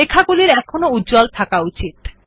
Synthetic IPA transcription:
ekʰaɡuliɾɛkʰonoudd͡ʑɔlt̪ʰakaut͡ɕit̪̚

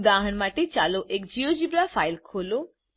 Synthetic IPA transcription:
d̪aɦəɳmaʈet͡ʃaloʔekd͡ʑiod͡ʑibɾafajlkʰolo

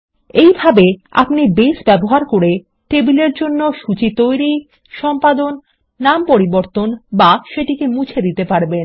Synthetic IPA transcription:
ejbʱabea̰pnibesbɛboɦaɾkoɾe | ʈebileɾd͡ʑonːoʃut͡ɕit̪ojɾi | ʃɔmpad̪onː | ampoɾiboɾt̪onbaʃeʈikemũt͡ɕʰed̪it̪epaɾben

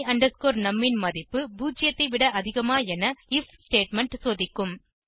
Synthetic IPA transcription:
ɐɳɖɐɾskoːɾnɐmːɪnmɐðɪpːɯbuːd͡ʒɪjɐt̪ːɐɪʋɪɽɐʔɐðɪɣɐmaːɛnɐɪfsʈeːʈmɛɳʈsoːðɪkːɯm

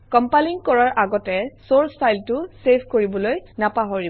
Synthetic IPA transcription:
kɔmpaliŋkɔɹaɹʔaɡɔtɛsoɹspʰajltʊsepʰkoɹibɔlojnapaɦoɹi

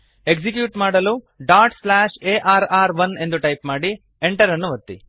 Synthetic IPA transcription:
e̞ɡsik̬juːʈmaːɽɐlu | ɖaːʈslaːʃeːʔaːɾaːɾʋɐne̞nd̪uʈɐjpmaːɽi | eɳʈɐɾɐnːuʋɐt̪ːḭ

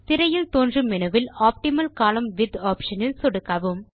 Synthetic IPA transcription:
t̪ɪɾɐjɪlt̪oːndrɯmɪnɐʋɪlaːp̚ʈɪmɐlkaːlɐmʋɪd̪aːpʃɐnɪlsɔɽɯkːaːʋɯm

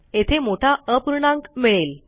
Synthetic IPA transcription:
et̪ʰemoʈʰaəpuɾɳãŋkmiɭel

